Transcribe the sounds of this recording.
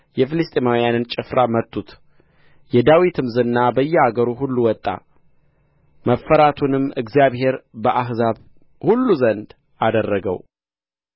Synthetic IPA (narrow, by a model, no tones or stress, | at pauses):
jɛfɨlɨst̪ʼemawijanɨnt͡ʃʼɪfɾamət̪ʼːut̪ | jɛd̪awit̪ʰɨmzɨnːabəjːɛaɡəɾuɦulːuwɔt̪ʼːa̰ | məfːəɾat̪ʰunɨmɨɡzijaβhe̞ɾbəʔaɦzaβ | hulːuzənd̪ | ad̪ərːəɡə̰w